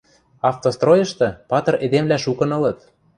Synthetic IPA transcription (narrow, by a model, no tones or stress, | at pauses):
ɑft̪ost̪rojɤ̆ʃt̪ɤ̆pɑt̪ɤ̆red̪emlæʃukɤ̆nɤ̆lɤ̆t̪